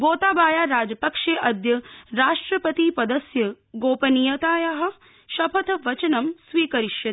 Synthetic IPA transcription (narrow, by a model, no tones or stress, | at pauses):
ɡoːt̪aːbaːjaːɾaːd͡ʒɐpɐkʂeːʔɐd̪jɐɾaːʂʈɾɐpɐt̪iːpɐd̪ɐsjɐ | ɡoːpɐnijɐt̪aːjɐɦɐ̆ | ʃɐpʰɐt̪ɐʋɐt͡ʃɐnɐmsʋiːkɐɾiʃjɐ